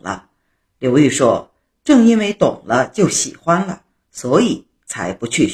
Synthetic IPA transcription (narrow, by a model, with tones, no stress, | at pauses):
lə̰˦ | ljo˧˥ʊy˥˩ʂwɔ̰˥ | ʈ͡ʂɤ˥˩ŋi˥nwe˥ɪt̪ʊ˨˩ŋlə˦t͡ɕjo˥˩ʊɕḭ˨˩xwa˥nlə̰˧ | swɔ˧˥i˨˩˦ | t͡sʰa˧˥ɪpu˧˥t͡ɕʰy˥˧